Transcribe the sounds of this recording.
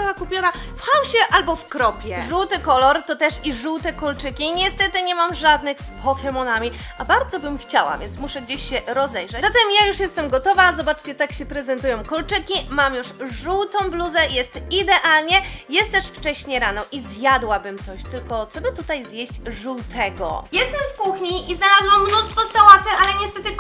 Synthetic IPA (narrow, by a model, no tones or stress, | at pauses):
awakupʲjɔna | fxawɕɛʔalbɔfkɾɔpʲjɛʐuwt̪ɘkɔlɔɾt̪ɔt̪ɛʂiʐuwt̪ɛkɔlt͡ʂɘkʲiɲɛst̪ɛt̪ɘɲɛmamʐad̪nɘxspʰɔxɛmɔnamʲiabaɾd̪zɔbɘmxt͡ɕawa̰vʲjɛnsmuʂɛɡd͡ʑeɕɕɛɾɔzɛjʐɛzat̪ɛmjajuʂjɛst̪ɛmɡɔt̪ɔvazɔbat͡ʂt͡ɕɛt̪akɕɛpɾɛzɛnt̪ujɔ̃w̃kɔlt͡ʂɘkʲimamjuʂʐuwt̪ɔ̃w̃bluzɛjɛst̪id̪ɛʔalɲɛjɛst̪t̪ːɛʂft͡ʂɛɕɲɛɾanɔʔizjad̪wabɘmt̪sɔɕt̪ɘlkɔt̪sɔbɘt̪ut̪ajzjeɕt͡ɕʐuwt̪ʰɛɡɔ̰jɛst̪ɛmfkuxɲiiznalazwamːnust̪fɔst̪awat̪ɘʔalɛɲɛst̪ɛt̪ɘ